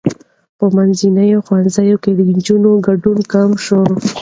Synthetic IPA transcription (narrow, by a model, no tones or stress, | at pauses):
pəmanzinajoxwanzajoked̪əɲd͡ʒunoɡaɖunkamʃo